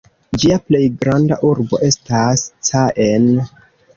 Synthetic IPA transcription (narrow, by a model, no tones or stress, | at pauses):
d͡ʒiaple̞jɡɾandaʔuɾbo̞ʔe̞stast͡saʔen